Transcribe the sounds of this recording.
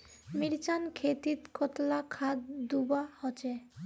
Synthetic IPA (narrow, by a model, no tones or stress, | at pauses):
miɾt͡ɕankʰet̪it̪kɔt̪lakʰad̪d̪ubahɔt͡ɕʰe